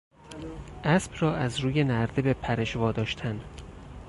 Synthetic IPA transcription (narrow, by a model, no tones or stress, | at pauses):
ʔæsb̥rɒːʔæzɾuːjenæɾd̪ebepʰæɾeʃvɒːd̪ɒːʃt̪ʰæn